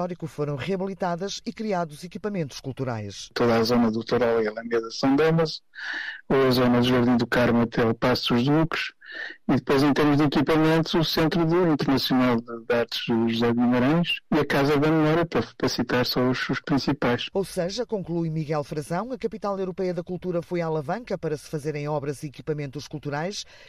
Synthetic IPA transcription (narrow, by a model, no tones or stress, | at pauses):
ɔɾikufoɾɐ̃w̃ʁiɐβilˠit̪aðɐʃikɾiaðuzikipɐmẽnt̪u̥ʃkulˠt̪uɾa̰jʃt̪oðazonɐðut̪uɾɔlˠilˠɐ̃nd̪ezɐsɐ̃w̪̃d̪ɐmɐz | oɐzonɐðʒɔɾðĩd̪ukaɾmɐt̪ɛlˠpasuʒðlukʃiðɨpojzẽt̪eɾmuʒðikipɐmẽnt̪uzusẽnt̪ɾuðuĩnt̪ɨɾnɐsjunalˠdɨðaɾt̪ʒ̥ðɨʒuzɛɣumɐɾɐ̃j̃ʃiɐkazɛðɐmɨmɔɾjɐpɐɾɐfɐ̥pɐsit̪aɾsõuʃuʃpɾĩsipajʃowsɐʒɐkõŋklˠujmiɣɛlˠfɾɐzɐ̃w̃ɐkɐpit̪alˠewɾupɛjɐðɐkulˠt̪uɾɐfojaːlˠɐvɐ̃ŋkɐpɐɾɐsɨ̥fɐzeɾẽj̃ɔβɾɐziikipɐmẽnt̪uʃkulˠt̪uɾajʃ